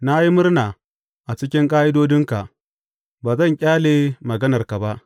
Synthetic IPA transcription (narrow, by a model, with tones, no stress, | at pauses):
na˦ji˦mʊ˦rnaː˨ | ʔa˨t͡ʃɪ˦kʲɪ˦ŋkʼaː˦ʔɪ˦doː˦dɪ˦ŋka˨ | baː˨zɐ˦˨ŋkʲʼaː˦leː˨mɐ˨ɡɐ˦nɐ˨rka˨ba˦ʔ